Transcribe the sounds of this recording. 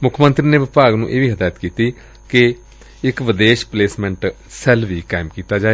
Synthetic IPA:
mʊkʰmənt̪ɾiːneːʋɪpaːɡnũːʔeːʋiːɦəd̪aːjət̪kiːt̪iː | kɪ | ɪkʋɪd̪eːʃpleːsmɛ̃ɳʈ | sɛlʋiːkaːɪmkiːt̪aːd͡ʒaːe

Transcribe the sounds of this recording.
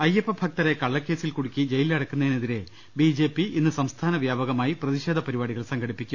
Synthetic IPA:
ɐjepːɐbʱɐk̚t̪ɐɾekɐɭːɐkːe̞ːsilkuɽukʲːid͡ʑe̞jilɐɽɐkːunːɐineðiɾe̞ | bid͡ʑeːpːiinːɨsɐmst̪ʰaːnɐʋjaːbɐɣɐmaːjiprɐðiɕeːd̪ʱɐpɐɾibaːɽiɣɐɭsɐŋɡɐɽipːikʲːum

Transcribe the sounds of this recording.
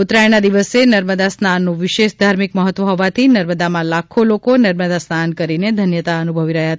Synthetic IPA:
ut̪ɾajnad̪iʋəsenəɾməd̪asnanːũʋɪʃeʃd̪ʱaɾmikməɦət̪ːʋəɦɔʋat̪ʰinəɾməd̪amãlakʰolokonəɾməd̪asnankəɾined̪ʱənjət̪aənubʱəʋiɾəɦjaɦət̪

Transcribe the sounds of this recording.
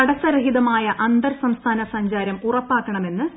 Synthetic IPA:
ɐɽɐsɐɾɐɦiðɐmaːjɐʔɐnd̪ɐɾsɐmst̪ʰaːnɐsɐɲd͡ʑaːɾɐmurɐpːaːkːɐɳɐme̞nːɨ

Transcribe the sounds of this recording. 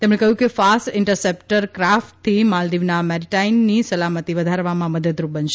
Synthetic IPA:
t̪emɳẽkəɦjũkefasʈɪɳʈəɾsepʈəɾkɾafʈt̪ʰːimald̪iʋnamɛɾiʈainːisəlamət̪iʋəd̪ʱaɾʋamãməd̪əd̪ɾubənʃe

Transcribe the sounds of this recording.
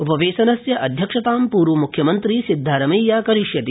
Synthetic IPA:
upɐʋeːʃɐnɐsjɐʔɐd̪ʱjɐkʂɐt̪aːmpuːɾʋumukʰjɐmɐnt̪ɾisid̪ʱːaːɾɐmɐjːaːkɐɾiʃjɐt̪i

